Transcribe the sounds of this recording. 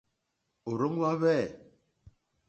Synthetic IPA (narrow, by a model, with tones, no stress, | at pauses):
o˨ɾo˦ŋ˦wa˦βɛː˦˨